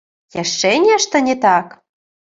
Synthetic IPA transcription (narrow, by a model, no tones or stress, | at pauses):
jæʃːenʲæʃt̪ə̆nʲet̪ɑk